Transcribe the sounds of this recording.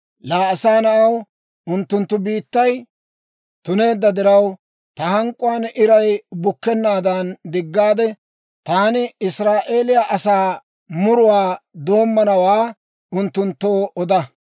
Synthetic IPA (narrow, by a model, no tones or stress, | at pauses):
laːɐsaːnɐʔɐw | ʊnt̪ːʊnt̪ːʊbiːt̪ːɐj | t̪ʊne̞ːd̪ːɐd̪ɪɾɐw | t̪ɐhɐŋkʼːʊwanʔɪɾɐjbʊkːɛnːaːd̪ɐnd̪ɪɡːaːd̪ɛ | t̪aːnɪɪsɾaːʔe̞ːlɪjaʔɐsaː | mʊɾʊwaːd̪o̞ːmːɐnɐwaː | ʊnt̪ːʊnt̪ːo̞ːɔd̪ɐ